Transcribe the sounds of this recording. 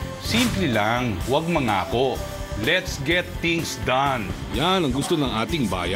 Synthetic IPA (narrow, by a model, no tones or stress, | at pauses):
simplɛlaŋwɐɡ̚mɐŋa̰ːko̞ | lɛt̪sɡɛt̪ːĩŋsd̪ɐnjanɐŋɡʊst̪onɐŋʔaːt̪ɪŋba̰ːja